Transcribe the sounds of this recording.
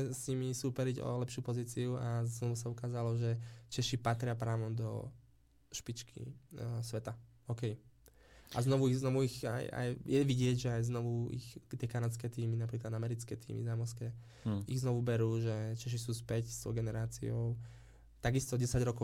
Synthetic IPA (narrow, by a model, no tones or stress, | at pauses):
ɛsɲimisuːpɛɾiɟɔ̰lɛpʃɪuːpɔziːt͡siuaznɔʋusaukaːzalɔʒɛt͡ʃɛʃipat̪ɾɪapɾaːʋɔd̪ɔ̰ | ʃpit͡ʃkʰḭsʋɛt̪a | ɔkɛj | ʔa̰znɔʋuiɣznɔʋuiɣa̰ja̰jjɛʋiɟɪɛɟʒɛajznɔʋuḭxt̪ɪɛkanat̪t͡skɛːt̪iːminapɾiːklad̪amɛɾit͡skɛt̪ḭːmḭzamɔɾskɛː | iɣznɔʋubɛɾuːʒɛt͡ʃɛʃ̬isuːspɛcst̪ɔ̰ʊɡɛnɛɾaːt͡sḭɔʊ | t̪aɡist̪ɔɟɛsaɟɾɔkɔ